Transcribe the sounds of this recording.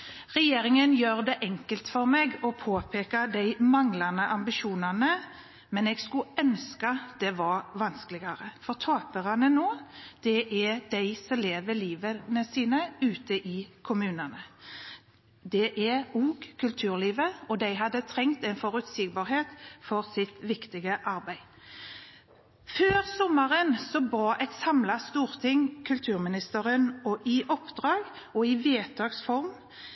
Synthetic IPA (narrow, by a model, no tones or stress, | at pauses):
ʁɛjeːɾɪŋənjøːʁd̪ɛʔɛŋkəlt̪fɔʁmeːɡɔpʰoːpʰeːkɑd̪æɪmɑŋlɑnəʔɑmbɪʃuːnɑnə | mɛnɛːɡskʉœnskɑd̪̥ɛʋɑɾʋɑnskəlɪɡɑɾəfɔʁt̪ʰɑːpəʁɑnənoːd̪̥ɛʔæd̪̥æɪsɔmleːʋəliːʋənəsiːnəʉːt̪əʔɪkʰʊmʉːnənə | d̪ɛʔæʁuːɡkʰʉlt̪ʰʉːʁliːʋəɔd̪æɪɦɑd̪ːət̪ʰʁɛŋt̪ɛɪnfɔʁʉt̪siɡ̚bɑːʁheːt̪fɔʁsɪt̪ʋɪkt̪ɪɡəʔɑʁbæɪ | føːʁsɔməʁənsɔbɑːʔɛt̪sɑmlɑst̪uːʁt̪ʰɪŋkʰʉlt̪ʰʉːʁmɪnɪst̪əʁənɔʔɪʔɔpd̪̥ʁɑːɡ | ɔɪʋeːt̪ʰɑːɡsfɔʁm